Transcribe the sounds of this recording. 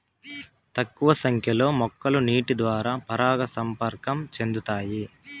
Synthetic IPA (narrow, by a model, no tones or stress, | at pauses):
t̪ɐkːuʋɐsɐŋkʰjɐlo̞ːmɔkːɐluniːʈid̪ʋaːɾaːpɐɾaːɡɐsɐmpɐɾkɐmt͡ʃe̞nd̪ut̪aːji